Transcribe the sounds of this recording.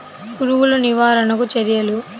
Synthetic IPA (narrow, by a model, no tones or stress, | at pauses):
kuɾuwuluniʋaːɾɐnɐkut͡ʃɐɾijɐlu